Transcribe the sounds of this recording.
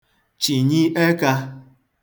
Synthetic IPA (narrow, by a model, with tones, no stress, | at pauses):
t͡ʃi˨ɲi˦ʔe˦ka˧